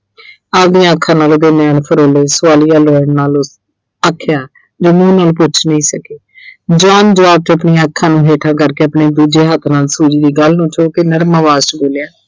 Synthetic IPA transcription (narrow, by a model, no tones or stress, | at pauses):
aːp̚d̪ijãːəkʰːãːnaːlod̪eːneːənpʰəɾoːleːsʊʋaːliːaːloːənnaːlʊs | əkʰːɪjaː | d͡ʒoːmũːnaːlːp̬ʊːt͡ʃʰnəĩːsəkeː | d͡ʒaːnd͡ʒəʋaːb̚t̪eəpniãːəkʰːãːnũːɦeːʈʰãːkəɾkeːəpneːd̪uːd͡ʒeːɦət̪ʰnaːlsuːd͡ʒiːd̪iːɡəlnũːt͡ʃoːkenəɾmaːʋaːst͡ʃboːljaː